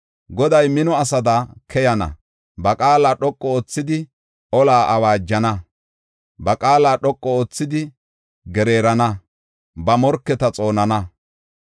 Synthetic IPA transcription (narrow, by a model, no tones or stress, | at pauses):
ɡɔd̪ɐjmɪnɔɐsɐd̪ɐkʰɛjɐnɐ̰ | bɐkʼaːlaːɗɔkʼːɔoːt͡sːɪd̪ɪ | ɔlaːʔɐwaːd͡ʒːɐnɐ | bɐkʼaːlaːɗɔkʼːɔoːt͡sːɪd̪ɪ | ɡɛɾe̞ːɾɐnɐ | bɐmɔɾkːɛt̪ɐt͡sʼo̞ːnɐnɐ